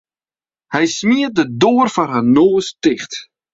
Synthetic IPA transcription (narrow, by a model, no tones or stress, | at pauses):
hɛjsmiət̚dədoːərfanɦanoːəstɪχt